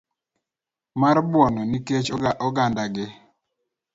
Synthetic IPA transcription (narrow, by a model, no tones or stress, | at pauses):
maɾbwɔnɔniket͡ʃɔɡandaɡɪ